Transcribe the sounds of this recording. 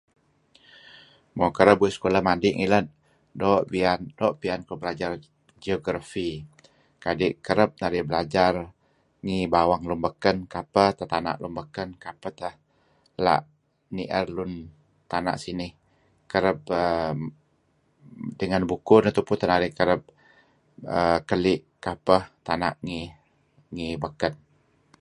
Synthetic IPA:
mokəɾəpbuiskolamadɪʔŋilən̚ | doʔbiandoʔpiankobəlad͡ʒar | d͡ʒioɡɾafi | kadiʔkəɾəp̚naɾɪhbəlad͡ʒar | ŋibawaŋlumbəkənkapət̪ət̪ana̰ʔlumbəkənkapət̪əh | la̰ʔ | niʔərlʊn | t̪ana̰ʔsinɪh | kəɾəp̚ə | dəŋanbukʊnət̪upunt̪ənaɾɪhkəɾəp̚ | əkəlɪʔ | kapəht̪ana̰ʔŋi | ŋibəkən

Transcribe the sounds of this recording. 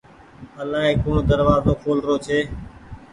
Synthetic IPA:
əlaːɦeːkoːɳːd̪əɾʋaːzõːkʰoːlɾoːt͡ʃʰeː

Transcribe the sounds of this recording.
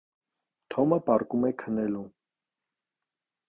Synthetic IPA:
t̪ʰɔməpɑɾkumɛkʰənɛlu

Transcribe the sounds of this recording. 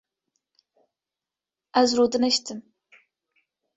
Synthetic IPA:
azrodɨnɐʃtʰɨm

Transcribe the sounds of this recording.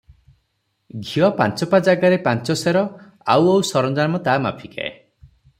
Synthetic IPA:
ɡʱiɔpa̰nt͡ʃɔpad͡ʒaɡaɾepant͡ʃɔseɾɔ | a̰wawsɔɾɔnd͡ʒaɾmɔt̪aːma̰pʰika̰ḛ

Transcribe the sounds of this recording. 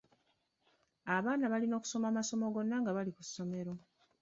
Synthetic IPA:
aβaːnaβalino̞ːku̥so̞mamaso̞mo̞ɡo̞nːaŋɡaβaliku̥sːo̞me̞ɾo̞

